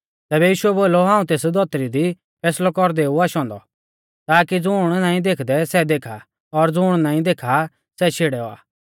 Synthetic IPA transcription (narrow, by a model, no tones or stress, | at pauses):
t̪ɛːbɛjiːʃʊɛboːloɦãːũt̪eːsd̪ʱɔt̪ɾid̪i | pʰɛːslɔkɔɾd̪ɛuaʃɔ̃ːnd̪ɔ̰ | t̪aːkid͡zʊːɽ̃naːĩd̪eːkʰd̪ɛsɛd̪eːkʰa | ɔɾd͡zʊːɽ̃nãːĩd̪eːkʰa | sɛt͡ʃʰeːɽɛɔa̰ː